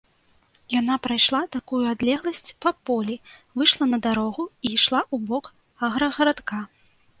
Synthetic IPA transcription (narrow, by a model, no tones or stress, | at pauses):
janapɾajʂlˠat̪akujuad̪lʲɛɣlˠɐsʲt͡sʲpɐpɔlʲivɨʂlˠɐnɐd̪aɾɔɣuiʂlˠaʔubɔk | aɣɾɐɣɐɾat̪ka